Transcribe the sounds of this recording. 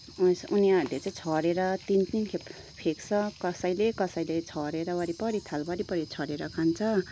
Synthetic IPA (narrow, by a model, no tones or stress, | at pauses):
osuniaɾulet͡saĩt͡sʰʌɾeɾʌt̪int͡snikʰep | pʰekt͡sʰʌkʌsʌjlekʌsʌjlet͡sʰʌɾeɾʌwʌɾipʌɾit̪ʰalbʌɾipʌɾit͡sʰʌɽeɾʌkʰant͡sʰʌ